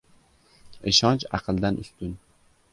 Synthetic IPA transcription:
eʃɒnt͡ʃɑ̰qʰɨlˠd̪anʔʊ̰st̪ʊn

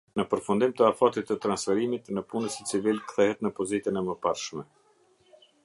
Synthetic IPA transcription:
nəpəɾfund̪imt̪əafat̪it̪ːət̪ɾansfɛɾimit̪nəpunəsit͡sivilkθɛɦɛt̪nəpɔzit̪ənɛməpaɾʃmɛ

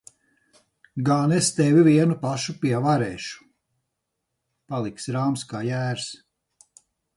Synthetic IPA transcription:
ɡaːnest̪evʲivʲiɛnupaʃupʲiɛvaɾeːʃu̥ | palˠiksɾaːmskaːjæːɾs

